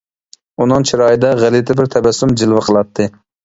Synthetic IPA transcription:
unɨŋt͡ʃʰiɾɑːjid̪ɛʁælɪt̪ʰɪbɪɾt̪ʰɛbɛsːumd͡ʒɪlˠvɨqʰəlˠɑt̪ʰːɨ

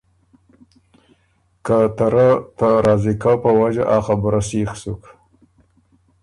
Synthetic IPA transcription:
kat̪aɾat̪aɾɑzikapəwad͡ʒa̰ʔaxabɾasixsuk

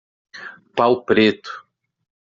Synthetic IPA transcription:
pawpɾet̪ʊ̥

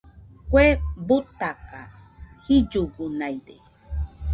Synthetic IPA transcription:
kwebut̪aka | hid͡ʒuɡunajde

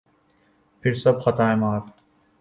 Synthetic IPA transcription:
pʰɪɾsɐbxɐt̪aːẽːmaːɾ

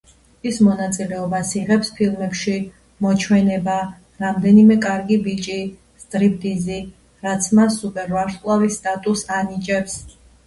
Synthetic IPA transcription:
ismɔnat̪sʼilɛɔbasiʁɛpspʰilˠmɛpʃi | mɔt͡ʃʰwɛnɛba | ɾamd̪ɛnimɛkʼaɾɡibit͡ʃʼi | st̪ʼɾip̚ʰt̪ʼizi | ɾat̪sʰmasːupʼɛɾvaɾskʼlˠavisːt̪ʼat̪ʼusanit͡ʃʼɛps

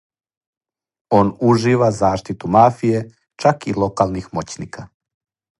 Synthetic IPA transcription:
o̞ːnuʒiːʋazaːʃt̪it̪umaːfije̞ | t͡ʃakilo̞kaːlˠnixmo̞t͡ɕnikʰa

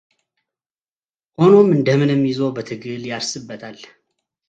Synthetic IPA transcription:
ʔo̞no̞mɨnd̪əmɨnɛmːjɪzowbət̪ʰɨɡɨljaɾsɨbːət̪ʰalː

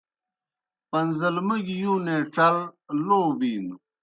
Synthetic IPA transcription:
pɐnzɐlmɐɡijũːnẽːʈ͡ʂɐlloːbiːnu

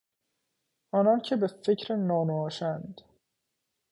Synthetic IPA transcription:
ɒnɒncʰebefecʰɾenːɒːnoːʃænd̪

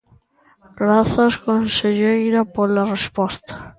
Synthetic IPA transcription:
ɡɾaθaskonseʎejɾapoɾlarespost̪ḁ

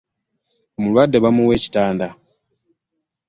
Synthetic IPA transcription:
omulwaːdːe̞βamuwe̞ːci̥taːnda

